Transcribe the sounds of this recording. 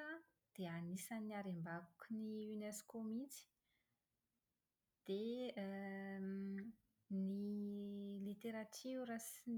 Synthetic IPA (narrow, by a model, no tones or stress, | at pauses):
ə | d̪̥eanisanːiaɾembakukʲiniyneskomint͡si̥ | d̪̥e | ni | lit̪eɾatirasin